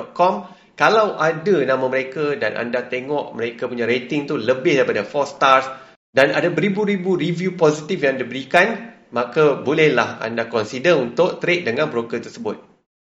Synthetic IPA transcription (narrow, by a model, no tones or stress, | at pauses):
ɔʔ̚kɔm | kalawʔadənãmãməɾekadanʔa̰ndat̪eŋɔʔməɾekapuɲãɾet̪ɪŋt̪uləbɪhdaɾipadafɔst̪ars | dana̰dabəɾibuɾibuɾivjuposit̪ifjãŋadabəɾikan | makabolɛhlaha̰ndakɔnsidənunt̪ʊʔ̚t̪ɾet̪̚dəŋãnbɾokət̪ərsəbʊt̪̚